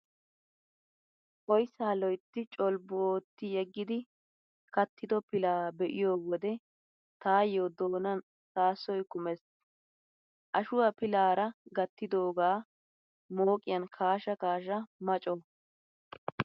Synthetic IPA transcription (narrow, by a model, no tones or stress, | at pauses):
ɔjsaːlɔjt̪ːɪt͡ʃʼɔlbʊoːt̪ːɪjɛɡːɪd̪ɪ | kɐt̪ʰːɪd̪ɔpɪlaːbɛʔɪjo̞ːwɔd̪ɛ | t̪aːjoːd̪oːnɐn | saːsːɔjkʊmɛs | ʔɐʃʊwaːpɪlaːɾɐɡɐt̪ːɪd̪o̞ːɡaː | moːkʼɪjɐnkʰaːʃɐkaːʃɐmɐt͡ʃʼɔ